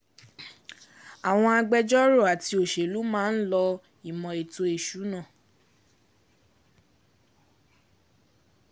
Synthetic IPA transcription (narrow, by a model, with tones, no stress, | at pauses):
a˨w̃ɔ̃˧a˧ɡ͡bɛ˧d͡ʒɔ˦ɾo˦˨a˨ti˧o˨ʃe˨lu˨˦mãː˦n̩˦lɔ˧ | i˨mɔ̃˨e˨to˧e˨ʃu˨˦nã˦˨